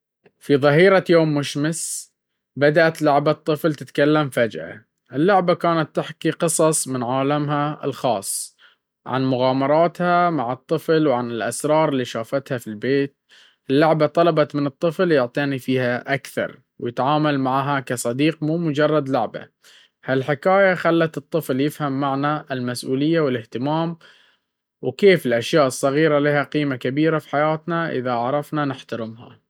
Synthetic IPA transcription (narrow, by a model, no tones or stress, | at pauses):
fiðˤɑɦiːɾajoːmːʊʃmɪs | bad̪aʔat̪lʊʕbat̪ˤːɨflt̪ɪt̪kalːamfad͡ʒʔa̰ | ʔɪlːʊʕbakaːnat̪ːɪħkiqɨsˤɑsˤmɪnʕaːlamɦaɪ̰lxɑːsˤː | ʕa̰nmʊɣaːmɑɾˤɑːt̪hamaʕɨt̪ˤːɨflwʕanɪlʔasɾˤɑːɾˤɪlːiːʃaːfat̪hafilbeːt̪̚ | ɪlːʊʕbat̪ˤɑlɑbɑt̪mɪnɨt̪ˤːɨfljʊʕt̪ˤiːnifiːhaʔakθɑ̰ɾˤ | wjɪt̪ʕaːmalmaʕɦakasˤɑd̪iːqmuːmʊd͡ʒɑrˤːɑd̪lʊʕba̰ | halħɪkaːjaxalːat̪ɨt̪ˤːɨfljɪfhamːaʕnaɪlmasʔuːlɪjːawɪlɪht̪ɪmaːm | wkeːfɪlʔaʃjaːʔɨsˤːɑɣiːɾalihaqiːmakabiːɾafi̥ħajaːt̪naʔɪ̰ðaʕɾˤɑfnanɪħt̪aɾɪmha̰